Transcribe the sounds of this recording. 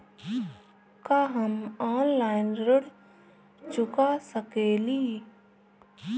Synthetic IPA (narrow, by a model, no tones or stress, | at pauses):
kaːɦɐmaːnlaːɪnɾəɽ | t͡ʃʊkasəkeːli